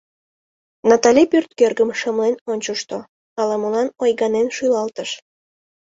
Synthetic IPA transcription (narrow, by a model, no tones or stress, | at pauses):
nɑt̪ɑlʲipyrt̪kerɡəmʃəmlenonʲt͡ɕoʃt̪o | ɑlɑmolɑnojɡɑnenʃyjlɑlt̪əʃ